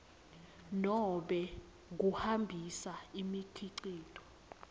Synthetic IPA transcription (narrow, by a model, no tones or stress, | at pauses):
nɔɓɛ | k̬uhambʱisaimikʰiǀiːtʰʼɔ̥